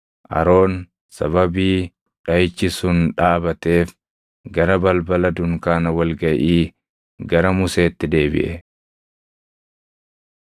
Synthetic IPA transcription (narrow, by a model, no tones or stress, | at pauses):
ʔɐ̰ɾo̞ːn | sɐβɐbiː | ᶑɐjt͡ʃːɪsʊnᶑaːbɐt̪e̞ːf | ɡɐɾɐbɐlbɐlɐd̪ʊŋkaːnɐwɐlɡɐʔiː | ɡɐɾɐmʊse̞ːt̪ːɪd̪e̞ːbɪ̰ʔɛ